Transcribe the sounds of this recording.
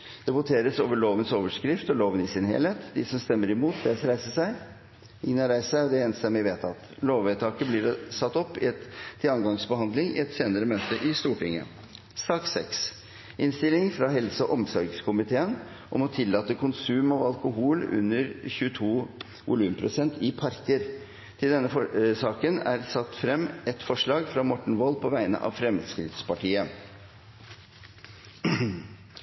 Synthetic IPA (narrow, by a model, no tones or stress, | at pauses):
d̪̥ɛbʊt̪ʰeːɾəsoːʋəɭoːʋənsoːʋəʂkɾɪft̪ɔloːʋənɪsɪnhḛːlheːt̪d̪ɪsɔmst̪ɛmːəɾɪmuːt̪ʰd̪ɛsɾæɪsəʂæɪ | ɪŋnɑɾæɪssæd̪ɛeːnst̪ɛmːɪʋeːt̪ʰɑt̪loːʋet̪ʰɑːkəblɪɾsɑt̪ːɔpːɪɛt̪ʰːɪlɑŋɡɑŋsbəhɑnd̪lɪŋɪ̰ɛt̪seːnəɾəmøːt̪əʔɪst̪uːʈɪŋːə̰ | sɑːksɛ̰ks | ʔɪnst̪ɪlːɪŋfɾɑɦɛlsəɔʔɔmsɔɾɡskʰʊmɪt̪ʰeːən | ʔɔmɔt̪ʰɪlːɑːt̪əkʰʊnsʉːmɑʋɑlkʊɦuːlʉ̰nːəɾçʉət̪ʰuː | ʋʊlʉːmpʰɾʊsɛnt̪ʰɪpʰɑɾkəɾ | t̪ʰɪld̪ɛnːəsɑːkənæɾsɑt̪ːfɾɛmːʔɛt̪fɔʂɭɑːɡfɾɑmɔʈɳ̩ʋɔlpʰɔʋæɪnə̰ʔɑ̰ʋfɾɛmskɾɪd̪spɑʈiːə